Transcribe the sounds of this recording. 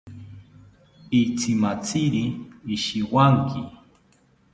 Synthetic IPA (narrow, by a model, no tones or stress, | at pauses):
it͡sʰɪmat͡sɪɾiːʃiwaŋkʰɪ